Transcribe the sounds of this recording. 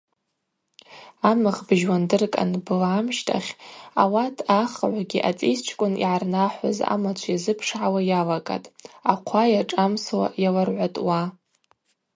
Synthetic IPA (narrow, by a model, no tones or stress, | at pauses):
amɨʁbʒwandɨrkʼa̰nbɨlaːmʃtʼʰa̰χʲawatʰaχʕʷaɡʲiʔat͡sʼḭst͡ʃʷʰkʷʼʊnḭʕarnaħʷa̰za̰mat͡ɕʷʰjazɨpʰʂʕawajalakʼa̰tʼaqʷʰajaʈ͡ʂʼamswa̰jalarʕʷatʼwa